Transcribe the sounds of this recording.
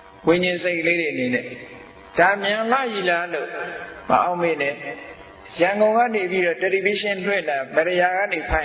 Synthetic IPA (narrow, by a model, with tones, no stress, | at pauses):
wẽ˨ɲɪ̃˨nse˦˨kːəle˦ɾe˨ʔəne˨nɛ̰˦˨ | d̥a˨mjã˨la̰˦˨ji˨la˦lo˦˨mə̰˨ʔã˨ʊ̃mẽ˨nɛ˦˨ | jã˨ŋɡõ˨ŋɡä̰˦˨ne˨pi˦ɾɔ˦˨tɛ˨ɾi˨bi˦ʃɪ̃˦lwɪ̰̃˦˨nla˨mɛ˨ɾə˨ja˨ɣä̰˦˨ne˨pʰã˨